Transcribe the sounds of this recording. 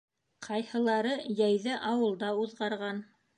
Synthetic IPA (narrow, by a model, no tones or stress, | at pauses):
qʰɑjhɤ̆lˠɑɾɤjæjðɘʔɑwɤ̆lˠd̪ɑuðʁɑɾʁɑn